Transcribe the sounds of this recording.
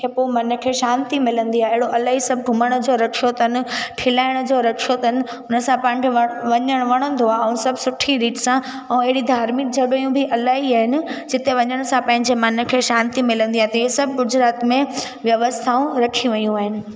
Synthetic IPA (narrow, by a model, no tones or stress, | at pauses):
kʰepomɐnə̆kʰeːʃãːnt̪imɪlə̃nd̪iaːɦeɪɦɪɽoʔɐlaːɦisɐb̚ʱɡʱʊməɽ̃ʊ̆d͡ʑoɾɐkʰijot̪nɪ̆ʈʰɪlaːɪɽ̃ʊd͡ʑoɾɐkʰiot̪ɐɦnɪ̆ | ʊnə̆sãpaːɪ̃ɲkʰeʋɐʋɐɲəɽ̃ʋɐɽ̃ə̃nd̪oaːɛ̃ũsɐbʱsʊʈʰĩɾiːʈsã | ɛ̃ũɐɦɪɽid̪ʱaːɾmɪk̚d͡ʑʰʱɐɗɐjũbʱɪʔɐlaːɦiaːɦɪnɪ̆d͡ʑɪt̪eʋɐɲəɽ̃̆sãpɐ̃ɦɪ̃ɲd͡ʑemɐnʊ̆kʰeːʃaːnt̪imɪlə̃nd̪iaːɦet̪ɐiosɐbʱɡʊd͡ʑɾaːt̪mẽ | ʋjɐʋəst̪ʰaːũɾɐkʰiʋɐjũaːɦɪnɪ̆